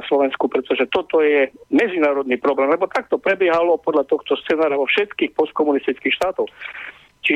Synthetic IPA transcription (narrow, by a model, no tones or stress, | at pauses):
slɔʋɛnskupɾɛt̪ɔʒɛt̪ɔt̪ɔjɛmɛd͡zinaːɾɔd̪niːpɾɔɡɾamlɛbɔt̪ak̚t̪ɔpɾɛbɪɛɦalɔpɔd̪ʎat̪ɔxt̪ɔst͡sɛnaːɾaɔfʃɛt̪kiːxpɔst̪̚kɔmunist̪it͡skiːxʃt̪aːt̪ɔʊ | t͡ʃi